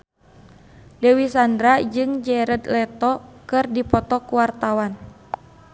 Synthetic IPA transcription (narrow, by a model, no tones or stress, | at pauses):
dɛwisandɾad͡ʒɨŋd͡ʒɛɾəd̪lɛt̪ɔkɨrdipɔt̪ɔkuwart̪awan